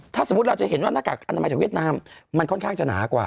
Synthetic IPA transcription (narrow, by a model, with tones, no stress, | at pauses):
t̪ʰaː˥˩so˩˦˥ɾa˧wt͡ɕa˨˩he˩˦nwaː˥˩naː˥˩ka̰˨˩k̚ʔa˧t̪a˧jt͡ɕaː˨˩wi˥˩t̪naː˧mːa˧nkʰo˥˩nkʰaː˥˩ŋt͡ɕa˨na̰ː˩˦kwa̰ː˨˩